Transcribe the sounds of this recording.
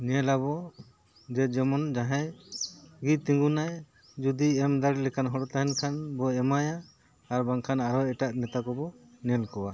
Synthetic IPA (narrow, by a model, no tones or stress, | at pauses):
nɛlabɔ | d͡ʒɛd͡ʒɔmɔnd͡ʒaɦɛj | ɡit̪iŋɡunaj | d͡ʒud̪iɛmd̪aɾlɛkanɦɔɾɔt̪aɦɛnkʰanbɔɛmajaː | ɾbaŋkʰanaɾɔɛʈaʔmɛt̪akɔbɔnɛlkɔwa